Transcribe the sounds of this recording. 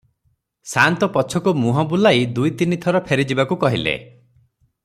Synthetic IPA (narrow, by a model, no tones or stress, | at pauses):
sant̪ɔpɔt͡ʃʰɔkumuɦɔbulajd̪ujt̪init̪ʰɔɾɔpʰeɾid͡ʒibakukɔɦilḛ